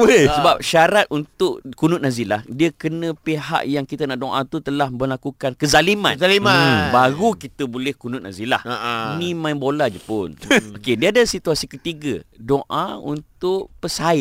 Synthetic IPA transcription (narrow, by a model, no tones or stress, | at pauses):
səbap̚ʃaɾat̪̚unt̪ʊʔkunʊt̪̚nazilahdiəkənə̃peɦa̰ʔjaŋkit̪anaʔdoʔãt̪ut̪əlahməlakukankəzalimaalimabaɾukit̪əbolɛhkunʊt̪̚nazila̰hnĩmãjbolad͡ʒəpʊnokediadasit̪uasikət̪iɡə̰doʔaṵnt̪ʊʔpəsaɪ